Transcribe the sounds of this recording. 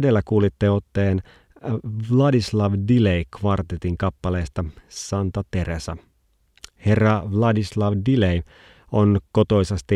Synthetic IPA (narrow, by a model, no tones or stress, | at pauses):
delːækuːlit̪ːeot̪ːe̞ːn | ʋlɑdislɑʋdilejkʋɑrt̪et̪iŋkɑpːɑle̞ːst̪ɑsɑnt̪ɑt̪e̞ɾesɑ̰ | he̞rːɑʋlɑdislɑʋdilej | onko̞t̪o̞isɑst̪i